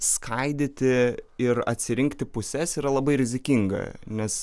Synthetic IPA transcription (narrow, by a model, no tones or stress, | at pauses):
skʰɐɪd̪ʲɪt̪ʲɪɪɾɐ̰t̪ʲsʲɪɾʲɪŋkt̪ʲɪpʊsʲɛsiːɾɐlˠɐbɐɪɾʲɪzʲɪkʲiŋɡɐ̰nʲɛs